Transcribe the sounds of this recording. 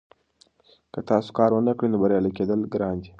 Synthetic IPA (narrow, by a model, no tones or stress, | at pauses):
kət̪ɑso̥kɑɾwənəkɽinobaɾjɑliked̪əlɡɾɑnd̪i